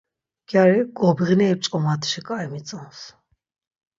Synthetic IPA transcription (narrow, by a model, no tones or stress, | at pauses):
ɡ̥jaɾiɡɔbiʁnɛːp̚t͡ʃʼqʼɔmat̪ʰʃɛkʼaimit̪t͡s̪ʼɔns